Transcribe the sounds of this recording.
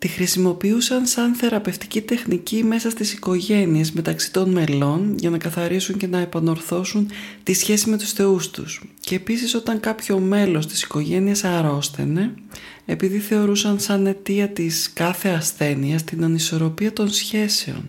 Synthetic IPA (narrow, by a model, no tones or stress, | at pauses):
t̪ixɾisimo̞piusɐnsɐnθe̞ɾɐpe̞ft̪i̥cit̪e̞xnicime̞sɐst̪isiko̞ʝe̞nie̞zme̞t̪ɐksi̥t̪o̞nme̞lo̞nʝɐnɐkɐθɐɾisuɲce̞nɐepɐno̞ɾθo̞sunt̪isçe̞sime̞t̪u̥sθe̞ust̪ṵsceːpisiso̞t̪ɐŋkɐpço̞me̞lo̞st̪i̥si̥ko̞ʝe̞niesɐɾo̞sθe̞̰ne̞ | epiðiθe̞o̞ɾusɐnsɐne̞t̪iɐt̪iskɐθe̞ɐsθe̞niɐst̪inɐniso̞ɾo̞piɐt̪o̞nsçe̞se̞o̞̰n